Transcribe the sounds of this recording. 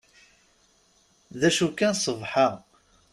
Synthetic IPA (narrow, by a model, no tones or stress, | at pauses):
ðæʃukːænsˤəvħɑʁ